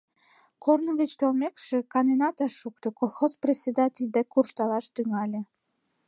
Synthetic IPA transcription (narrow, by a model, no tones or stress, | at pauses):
kornəɣət͡ɕt̪olmekʃĕkɑnenɑt̪ɑʃukt̪okolˠxosprʲesʲed̪ɑtʲelʲd̪ekurʃt̪ɑlɑʃt̪yŋɑlʲĕ